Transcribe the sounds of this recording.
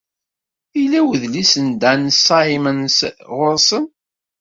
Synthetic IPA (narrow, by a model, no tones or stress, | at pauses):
ilæwəðlisənd̪ænsɑimənsʁʊɾˤsən